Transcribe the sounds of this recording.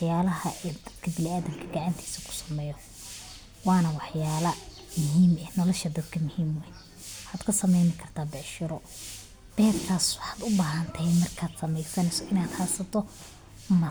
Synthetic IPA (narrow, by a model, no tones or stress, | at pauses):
ħjaːlɐɦɐʔid̪ɐd̪kʰɐbɪlɪaːðɐmkʰɐɡɑʕant̪ʰi̥ːsɐ̥kʰʊ̥sɐ̥mɛːjɔ | wɑːnɐwɑħjaːlɐ | mʊɦiːmɛnɔlɔʃɐd̪ɐd̪̚kʰɐmʊhiːmwɛ | ħaːd̪kʰɐsɐmɛjnɪkʰɐrt̪ʰaːbɛʕʃɪɾɔ | b̥ɛːrkʰaːswɑħɑːd̪ʊbaːɦɐnt̪ʰɐhɛmɐrkʰaːd̪sɐmɛjsɐnɛsɔʔɪnaːd̪haːsɐt̪ʰɔ | mɐ